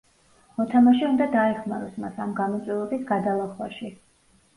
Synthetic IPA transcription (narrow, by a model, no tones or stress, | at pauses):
mɔt̪ʰamaʃɛund̪ad̪aɛχmaɾɔsmasamɡamɔt̪sʼwɛɔbisɡad̪alˠaχwaʃi